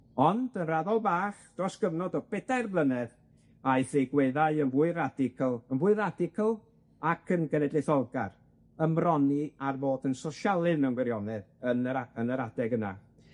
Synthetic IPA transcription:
ɔnd̥ənraðɔlˠbaːχd̥rɔsɡ̥əvnɔdɔb̥ɛdarblˠənɛð | aɨθejɡwɛðaɨənvuːɨɾadɪkʰəlˠənvʊɨɾadɪkʰəlˠ | akʰənɡənɛdlɪθɔlˠɡar | əmrɔniarvoːdənsɔʃalˠɨðnɛənɡwɛɾjɔnɛðənəaənəɾadɛɡəna̰

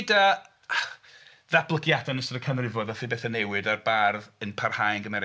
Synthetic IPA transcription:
da | ðablˠəɡjadanəsɔdəkʰanrɪvɔdɔθibeːθanewɨdarbarðənpʰarhajnɡəmɛɾ

